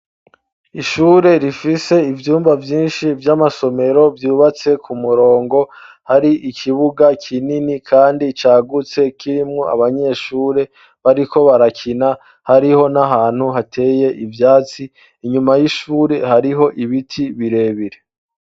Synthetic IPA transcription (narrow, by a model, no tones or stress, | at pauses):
iʃuːɾe̞ɾifise̞ivjuːmbavjiːnʃivjamaso̞me̞ɾo̞vjuːβat͡se̞kʰumuɾo̞ːŋɡo̞ | haɾiʔikʰiβuɡakʰininikʰaːndit͡ʃaːɡut͡se̞kiɾimŋo̞a̰βaɲe̞ʃuːɾe̞ | βaɾiko̞βaɾakʰina | haɾiho̞naɦaːn̥huɦatʰe̞ːje̞ʔivjaːt͡siː | ɲumajiʃuːɾe̞haɾiɦo̞ʔiβitʰiβiɾe̞βiɾe̞